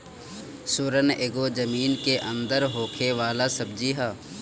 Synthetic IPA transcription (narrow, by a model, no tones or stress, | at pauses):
sʊɾəneːɡoːd͡ʒəmiːnkeʔɐ̃nd̪əɾɦoːkʰeʋaːlasɐb̚d͡ʒiɦaː